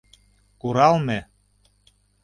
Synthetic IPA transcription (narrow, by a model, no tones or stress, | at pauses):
kuɾɑlˠme